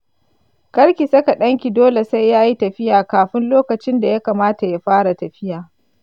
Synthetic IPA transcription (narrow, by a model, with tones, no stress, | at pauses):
kɐ˦ɽkʲi˨sɐ˦ka˨ɗɐ˦ŋkʲi˨doː˦le˨sa˦jːaː˦ji˦tɐ˨ɸɪ˦jaː˨kaː˨ɸɪ˦nloː˦kɐ˨t͡ʃɪ˦nda˨ja˦kaː˨maː˦ta˨ja˦ɸaː˦ɽa˨tɐ˨ɸɪ˦jaː˨